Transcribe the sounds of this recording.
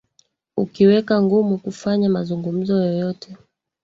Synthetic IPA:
ukiwɛkaŋɡumukufaɲamazuŋɡum̩zɔjɔjɔtʰɛ

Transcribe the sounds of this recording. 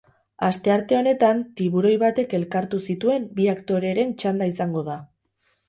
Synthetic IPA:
ast̪e̞aɾt̪e̞o̞ne̞t̪ant̪iβ̞uɾo̞jβat̪e̞ke̞lkaɾt̪usit̪ue̞mbiakt̪o̞ɾe̞ɾe̞nt͡ʃand̪aisaŋɡo̞ða

